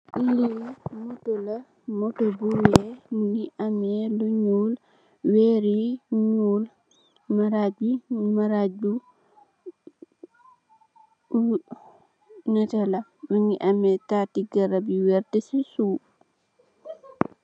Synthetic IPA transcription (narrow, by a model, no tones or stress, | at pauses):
ʔilːimɔtɔla | mɔtɔbuwɛmuŋiʔamɛluɲuːl | wɛɾiɲuːl | maɾad͡ʒimaɾad͡ʒu | nɛtalamuŋiʔamɛtatiɡaɾabiwɛɾtɛsisuː